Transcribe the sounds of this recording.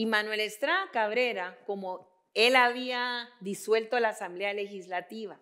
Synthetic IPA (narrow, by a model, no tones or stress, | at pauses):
imanwe̞lest̪ɾakaβɾeɾako̞mo | elaβiaðiswe̞lt̪olaːsambleale̞xislat̪iβa